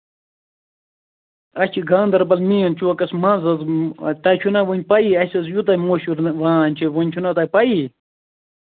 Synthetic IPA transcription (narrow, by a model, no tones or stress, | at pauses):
ɐt͡ʃʰiɡʱaːnd̪ɐɾbɐlmiːɐnt͡ʃʰuɐkɐsmɐ̃ːnzɐzt̪ɐt͡ʃʰunɐwonʲpɐiɐsʲɐs̬jut̪ɐjmoːɕuɾʋãːnʲt͡ʃʰiwonʲt͡ʃʰunɐt̪ɐjpɐi